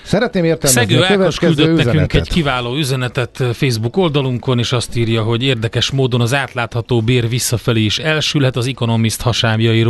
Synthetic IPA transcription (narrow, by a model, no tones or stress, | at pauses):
sɛɾɛt̪neːmeːrt̪ɛnsɡøːɛløøkyld̪ønɛkyŋkɛɛɟkivaːloːyzɛnɛt̪ɛt̪feːzbuko̞ld̪ɒluŋko̞neːʃɒst̪iːrjɒɦo̞ɟeːrd̪ɛkɛʃmoːd̪o̞nɒzaːt̪laːt̪hɒt̪oːbeːrvisːɒfɛleːiʃɛlʃylɦɛt̪ɒziko̞no̞mist̪hɒʃaːmjɒjiɾ